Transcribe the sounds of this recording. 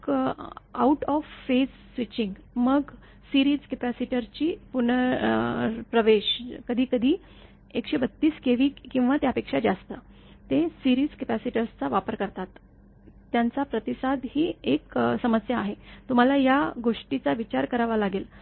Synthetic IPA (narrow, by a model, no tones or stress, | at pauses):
a̰uʈɔfːesːʋit͡ɕiŋɡməɡ | siɾiːd͡zkepæsiʈəɾt͡ɕiːpunə | pɾəʋeɕkəd̪ʱiːkəd̪ʱiː | ekɕebət̪ːiːskeʋiːkĩw̃ʋat̪jaəpekʂad͡ʑast̪ə | t̪esiɾiːd͡zkepæsiʈəɾst͡saʋapəɾkəɾt̪at̪ː | jant͡sapɾət̪isad̪hiːeksəməsjaːɦet̪um̤alajaɡoʂʈit͡saʋit͡ɕaɾkəɾaʋalaɡel